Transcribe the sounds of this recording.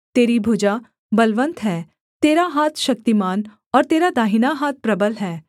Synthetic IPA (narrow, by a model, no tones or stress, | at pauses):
t̪eːɾibʱʊd͡ʒa | bɐlʋə̃nt̪ɦɛː | t̪eːɾaɦaːt̪ʰʃɐk̚t̪imaːn | ɔːɾt̪eːɾad̪aːɦɪnaɦaːt̪̚ʰpɾɐbəlɦɛː